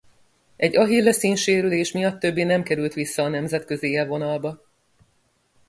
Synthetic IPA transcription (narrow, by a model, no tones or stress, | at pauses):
ɛɟːɒɦilːɛsiːnʃeːɾyleːʃmijɒt̪ːø̞bːiːnɛmkɛɾylt̪ʋisːɒːnɛmzɛt̪kø̞ziɛlvo̞nɒlbɒ